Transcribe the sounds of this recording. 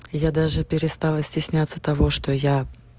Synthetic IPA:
jad̪aʐɨpʲɪɾʲɪst̪alˠəsʲtʲɪsʲnʲat̪sːət̪ɐvoʂt̪oja

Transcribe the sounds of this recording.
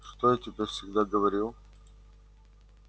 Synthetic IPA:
ʂt̪ojatʲɪbʲefsʲɪɡd̪aɡəvɐɾʲilˠ

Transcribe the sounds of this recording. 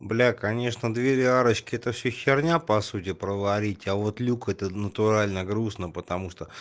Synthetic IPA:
blʲakɐnʲe̞ʂnəd̪vʲeɾʲaɾət͡ɕkʲɪɛt̪əfsʲɵɕːɪrnʲapɐsutʲɪpɾəvɐɾʲitʲavot̪lʲukɛt̪ənət̪ʊɾalʲnəɡɾusnəpət̪ɐmuʂt̪o

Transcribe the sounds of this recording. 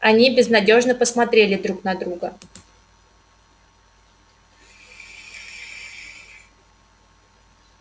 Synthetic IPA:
ɐnʲibʲɪznɐdʲo̞ʐnəpəsmɐt̪ɾʲelʲɪd̪ɾuknɐd̪ɾuɡə

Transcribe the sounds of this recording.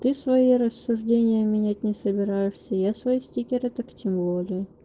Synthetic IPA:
t̪ɨsvɐiɾəsːʊʐdʲenʲɪjəmʲɪnʲætʲnʲɪsəbʲɪɾajɪʂsʲəjasvɐisʲtʲikʲɪɾət̪aktʲʰɪmvolʲɪjʊ

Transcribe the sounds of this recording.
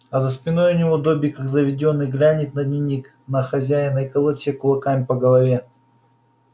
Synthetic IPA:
ɐzəspʲɪnojʊnʲɪvod̪obʲijkakzəvʲɪdʲo̞nːɨjɡlʲanʲɪt̪̚ʲnɐd̪ʲnʲɪnʲːik | nɐxɐzʲæjɪnəjkəlˠɐsʲekʊlˠɐkamʲpəɡəlˠɐvʲe

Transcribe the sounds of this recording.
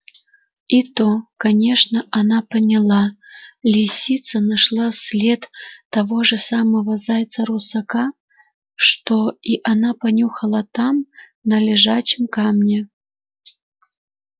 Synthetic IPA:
it̪okanʲeʂnɐʔanapənʲɪlˠalʲisʲit̪sɐnaʂlˠasʲlʲet̪ːɐvɔʐɨsaməvɐzajt̪sɐɾusɐka | ʂt̪oiʔanapɐnʲuxɐlˠat̪am | nɐlʲɪʐat͡ɕɪmkamnʲɛ

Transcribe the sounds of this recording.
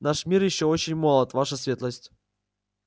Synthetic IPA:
naʂmʲirjɪɕːoot͡ɕɪnʲmolˠət̪vaʂəsʲvʲet̪lˠəsʲtʲ

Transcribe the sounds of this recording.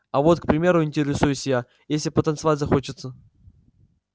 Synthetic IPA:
ɐvo̞t̪kpɾʲɪmʲe̞ɾʊɪnʲtʲɪɾʲɪsujʊsʲɪja | jesʲlʲɪpət̪ənt̪sɨvatʲzɐxot͡ɕɪt̪sə

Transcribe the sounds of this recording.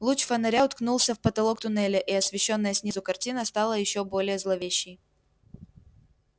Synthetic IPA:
lˠut͡ɕfənɐɾʲaʊt̪knulˠsʲəfpət̪ɐlˠo̞kt̪ʊnɛlʲɪʔiɐsvʲɪɕːo̞nːəjəsʲnʲizʊkɐrtʲinəst̪ɑlˠəjɪɕːobo̞lʲɪjəzlˠɐvʲeɕːɪj

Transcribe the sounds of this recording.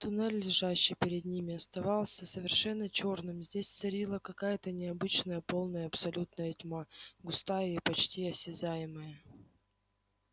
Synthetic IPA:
t̪ʊnɛlʲːɪʐaɕːɪjpʲɪɾʲɪd̪̚nʲimʲɪɐst̪ɐvɑlˠsʲəsəvʲɪrʂɛnːət͡ɕo̞rnɨmzʲdʲesʲt̪sɐɾʲilˠəkɐkajət̪ənʲɪɐbɨt͡ɕnəjəpo̞lˠnəjəɐpsɐlʲut̪nəjətʲmaɡʊst̪ajəipɐt͡ɕtʲiɐsʲɪzajɪməjə

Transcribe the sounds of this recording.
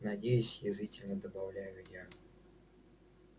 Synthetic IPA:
nadʲejʊsʲjɪzɨtʲɪlʲnʲəd̪əbawlʲajʊja

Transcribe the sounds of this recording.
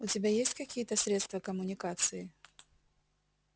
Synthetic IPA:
ʊtʲɪbʲajesʲtʲkɐkʲijət̪əsʲɾʲet̪st̪vəkəmʊnʲɪkat̪sɨɪ

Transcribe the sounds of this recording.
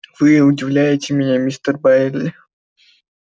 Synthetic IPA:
v̥ɨʊdʲɪvlʲæjɪtʲɪmʲɪnʲamʲist̪ərbaelʲɪ

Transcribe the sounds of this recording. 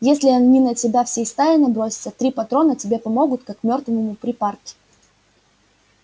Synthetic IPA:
jesʲlʲɪɐnʲinətʲɪbʲafsʲejst̪ajʲɪnɐbɾo̞sʲɪ̥t̪sət̪ɾʲipɐt̪ɾo̞nətʲɪbʲe̞pɐmo̞ɡʊt̪kakmʲo̞rt̪vɨmʊpɾʲɪparkʲɪ̥

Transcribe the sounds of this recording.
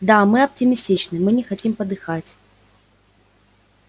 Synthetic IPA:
d̪amɨɐptʲɪmʲɪsʲtʲit͡ɕnɨmɨnʲɪxɐtʲimpəd̪ɨxatʲ

